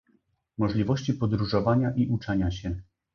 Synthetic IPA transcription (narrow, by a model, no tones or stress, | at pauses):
mɔʐlʲivɔɕt͡ɕipɔd̪ɾuʐɔvaɲaʔiʔut͡ʂɛɲaɕɛ